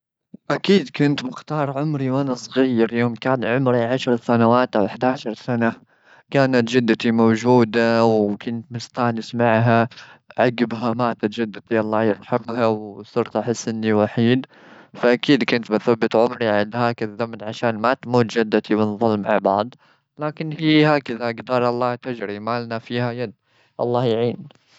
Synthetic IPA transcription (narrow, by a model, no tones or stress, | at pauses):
ʔakiːd̪kʊnt̪mɪxt̪ɑːɾˤʕʊmɾiwʔanasˤɣiːɾjoːmkaːnʕʊmɾiʕaʃɾˤsanawaːt̪ʔawɪħd̪aːʃɑɾˤsana | kaːnat̪d͡ʒɪd̪ːat̪imowd͡ʒuːd̪awkʊnt̪mɪst̪aːnɪsmaʕɦaʕaɡːɪbɦamaːt̪at̪d͡ʒad̪ːat̪ialˤːɑːjɪɾˤħɑqɦawsʊɾt̪ˤʔaħɪsːʔɪnːiwaħiːd̪ | faʔakiːd̪kʊnt̪mɪθabːɪt̪ʕʊmɾiʕɪnd̪haːkaðːamnʕaʃaːnmat̪muːt̪d͡ʒɪd̪ːat̪ʰimɪnðˤʊlmʕa̰ʕbɑʕd̪ˤ | laːkɪnhiːhaːkaðaɡd̪ɑːɾˤʔɑlˤːɑːt̪ɪd͡ʒɾimaːlnafiːhajad̪̚ | ʔɑ̰lˤːɑːjʕiːn